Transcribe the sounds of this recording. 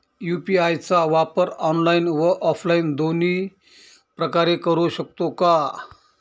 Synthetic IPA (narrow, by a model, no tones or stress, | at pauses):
jupiajt͡saʋapəɾɔnlainʋəʔɔflaind̪oni | pɾəkaɾekəɾuɕək̚t̪oka